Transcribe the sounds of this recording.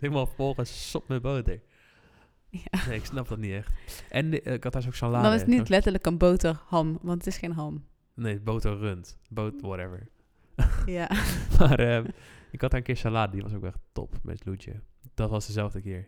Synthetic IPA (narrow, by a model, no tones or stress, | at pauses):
dɪmɔlˠfɔlˠxəssop̚mɛboːtəɹ | janeɪksnɑp̚d̥ɔtniɛxtʔɛnɪkɑtas̬oksalaːdɔnɪsnilɛtəɹləkənbowtəhɑmʋɑntətɪsxeːnɦɑm | neːbowtərøntboːtwɔɾɛvə̰ɹ | jamaːrəɪkhɑtaːɹənkɪːəɹsalaːddiʋɑ̰sokʋɛ̰xto̰pmɛ̰slud͡ʒjə̰d̥ɔtʋɑsdəzɛlˠvdəkɪəɹ